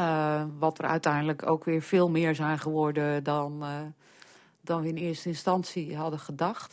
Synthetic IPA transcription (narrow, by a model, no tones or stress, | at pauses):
əʋɔtərœ̰ɥtɛjndələkʰo̰wkʋɪːɹfɪːlˠmɪəɹzɛjnχəʋɔɹdədɔn | dɔnʋəɪnɪəstəɪnstɑnsiɦɑdəχədɑxt